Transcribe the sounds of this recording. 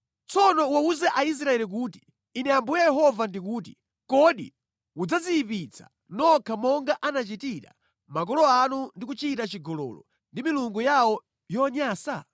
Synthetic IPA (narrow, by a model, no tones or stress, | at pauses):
t͡sɔnɔwauzɛʔais̬ɾaɛlik̬uːti̥ː | nɛambujɛjɛɦɔvandik̬uːt̬i̥ | kɔɗḭ | ud͡zaziipit͡sʰḁ̰ | nɔkʰamɔŋɡaʔanat͡ʃitiɾa̰ | mak̬ɔlɔanundikut͡ʃitat͡ʃiɡɔlɔ̰lɔ̰ | ndimiluŋɡujawɔ | jɔɲaːsa